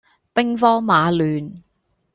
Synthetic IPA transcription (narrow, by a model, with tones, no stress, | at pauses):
pɪ˥ŋfɔː˥ŋmaː˨˧lyː˨n